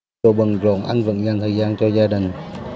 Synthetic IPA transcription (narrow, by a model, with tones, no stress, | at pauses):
o˨˩ɓɨə˨˩ŋzo̰˧˨˩nʔa˧ŋvɨ̰˧˨˦ŋɲa˧˩nt̪ʰəː˨˩jzaː˧nt͡ɕɔ˧zaː˧ɗï˨˩ŋ̟